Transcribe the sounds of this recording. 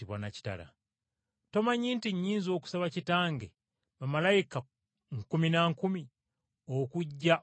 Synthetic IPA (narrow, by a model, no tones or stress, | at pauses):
iβwa̰naci̥ta̰la̰ | to̞maɲiːntiɲːiːnzo̞ːku̥saβacitaːŋɡe | mamalajika | ŋkuminaŋkumi | okuɟːa